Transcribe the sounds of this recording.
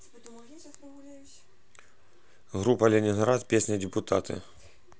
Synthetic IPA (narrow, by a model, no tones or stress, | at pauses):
ɣɾupɐlʲɪnʲinɣɾat̪pʲesʲnɨjdʲɪpʊt̪at̪ʰɨ̰